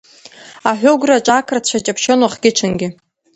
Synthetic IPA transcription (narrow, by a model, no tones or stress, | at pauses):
aħʷᶣʊɡʷrat͡ʃʷʼakʰrat͡ɕʷʰat͡ʃʼapʰʃonwaχɡʲɪt͡ʃʰɨnɡʲɪ